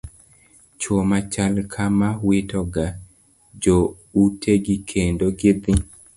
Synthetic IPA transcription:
t͡ʃwomat͡ʃalkʰamawɪtɔɡa | d͡ʒo | utʰeɡikʰendoɡɪd̪ɪ

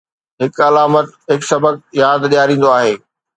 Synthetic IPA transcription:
ɦɪkɐlaːmət̪ɦɪksɐbəɡ̚jaːd̪ɗijaːɾĩːn̆d̪oaːɦeː

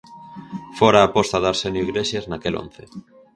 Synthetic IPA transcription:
foɾaːpost̪aðaɾsenjoiɣleʃeznakelo̰n̟θe

